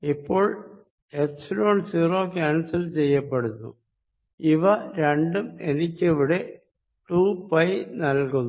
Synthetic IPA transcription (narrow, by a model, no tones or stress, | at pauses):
ipːo̞ːɭ | ʈeksilo̞ːnsiːro̞ːkʲaːnsɐlt͡ɕejːɐpːeɽunːṵ | iʋɐɾe̞ɳɖumenikʲːeʋiɽe̞ | ʈuːpɐjnɐlkunːu